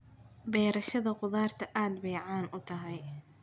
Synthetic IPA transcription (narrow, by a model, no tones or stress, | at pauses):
bɛːɾɐʃɐðɐqʊðaːrt̪ʰɐʔaːd̪bɛjʕaːnʔʊt̪ʰɐɦɛj